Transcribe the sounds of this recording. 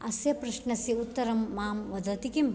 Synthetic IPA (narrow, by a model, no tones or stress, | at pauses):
ɐsjɐpɾɐʃɳɐsiut̪ːɐɾɐmːaːmʋɐd̪ʱɐt̪ikim